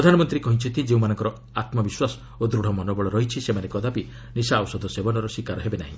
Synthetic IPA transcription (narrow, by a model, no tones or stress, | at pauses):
pɾɔd̪ʱanɔmɔnt̪ɾikɔɦĩt͡ʃʰɔnt̪ʰid͡ʒeũmanɔ̃ŋkɔɾɔ | at̪mɔbiswasɔ̥ | od̪ɾuɽ̤ɔmɔnɔbɔɭɔɾɔɦit͡ʃʰisemanekɔd̪ʱapi | nisawsɔd̪ʱɔsebɔnɔɾɔsikaɾɔɦebenaɦḭ̃